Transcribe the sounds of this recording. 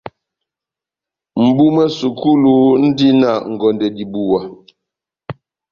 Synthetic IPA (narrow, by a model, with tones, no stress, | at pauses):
m̩˨bu˦mɛ˦su˨ku˦lu˦n̩˦di˦na˦˨ŋ̩˨ɡɔ˨ndɛ˨di˨bu˨wa˨